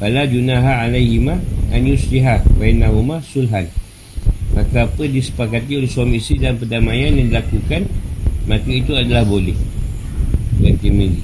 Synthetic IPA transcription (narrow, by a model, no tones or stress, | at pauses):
palad͡ʒunaɦaalajhimaʔanjusliɦabajnaɦumasulɦan | makaːpədisə̥pakat̪iolehsuamisidampədamajanjãdilakukanmãk̪əit̪uadalahbolɛh | at̪imili